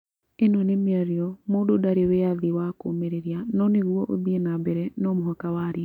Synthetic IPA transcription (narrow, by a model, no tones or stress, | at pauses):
enɔnemiaɾiɔmoːdodaɾeweaðiwakomeɾeɾianɔneɣuɔʔoðienabɛɾɛnɔmoɦɔkawaːɾia